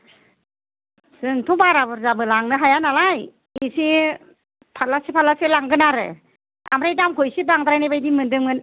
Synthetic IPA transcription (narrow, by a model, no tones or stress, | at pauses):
sɯŋtʰubaɾaβɯɾzabɯlaŋnɯɦajanalaj | isi | pʰalasipʰalaselaŋɡɯnaɾɯ̰ | a̰mɾajdamkʰɔjsibaŋdaɾajnajbajdimɯndɯmɯn